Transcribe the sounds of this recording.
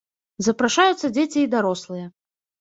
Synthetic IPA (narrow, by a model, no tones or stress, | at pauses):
zɐpɾaʂajut̪sːɐd͡zʲet͡sʲiːd̪aɾɔslˠɨjɛ